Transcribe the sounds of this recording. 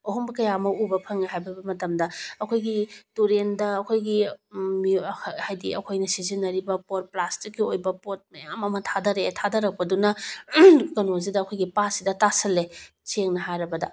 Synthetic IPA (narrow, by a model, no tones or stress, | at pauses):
oɦombɐkɐjamɐubɐpʰɐŋaɦajbɐbɐmɐtɐmdɐɐkʰojɡituɾendɐːkʰojɡimihajdḭɐ̰kʰojnɐsizinːɐɾibɐpot̚plastikːiojbɐpot̚mɐja̰mɐmɐtʰadɐɾetʰadɐɾɐk̚pɐdunɐ | kɐnoz̬idɐːkʰojɡipasidɐtasɐle | t͡ʃeŋnɐɦajɾɐbɐdɐ̰